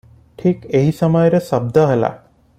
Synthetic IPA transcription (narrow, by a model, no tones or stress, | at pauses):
ʈʰikeɦisamajəɾəsɐb̚d̪aɦela̰